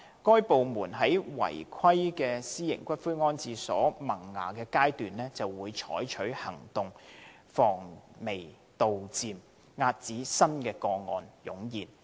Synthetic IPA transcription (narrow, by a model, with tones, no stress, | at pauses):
kɔː˥jpo˨wmuː˨˩nɦɐ˨˥jwɐ̰˨˩jkʷʰɐ˥jkɛː˧siː˥jɪ̰˨˩ŋkʷɐ˥t̚fuː˥jŋɔː˥nt͡siː˧sɔ̰ː˨˥mɐ˨˩ŋːa̰ː˨˩kɛː˧kaː˥jt̪yː˨nlɛː˥t͡sɐ˨wːuː˨˧jt͡ʃʰɔ̰ː˨˥jt͡ʃʰɵ˨˥ɥhɐ˨˩ŋt̪ʊ˨ŋ | fɔː˨˩ŋme˨˩j | t̪o˨wt͡siː˨˧m | ŋaː˧t̚t͡siː˨˥sɐ˥nkɛː˧kɔː˧ŋɔ̰ː˨njʊ˨˥ŋjiː˨˩n